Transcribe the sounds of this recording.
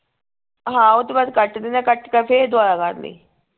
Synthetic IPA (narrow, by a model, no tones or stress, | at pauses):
ɦãːʊt̪ːeːbaːd̪kəʈd̪eːnɛ̃ːkəʈkəpʰeːd̪ʊaːɾaːkəɾnḭː